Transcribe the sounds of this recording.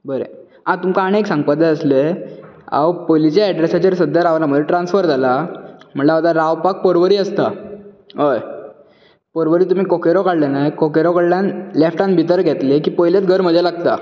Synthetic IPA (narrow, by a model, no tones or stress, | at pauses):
bəɾḛ | ãt̪umkaɽ̃eeksãŋɡ̚pad̪aəsle | a̰wpolit͡ɕaɛɖɾesat͡ɕeɾsəd̪ʱːjaɾaʋnaməd̪eʈɾãnsfəɾd͡zʱalam̤əɳleat̪aɾaʋpak̚pəɾʋəɾiːəst̪a | ɦəj | pəɾʋəɾiːt̪um̤ikokeɾokaɽlenajkokeɾokaɽljanlefʈanbʱit̪əɾɡʱɛt̪lekiːpɔjljat͡s̪ɡʱəɾm̤əd͡zʱjalaɡt̪a̰